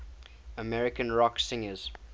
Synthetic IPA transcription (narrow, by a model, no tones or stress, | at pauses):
əmɛɹɪkə̃nɹɔksɪ̃ŋəz̥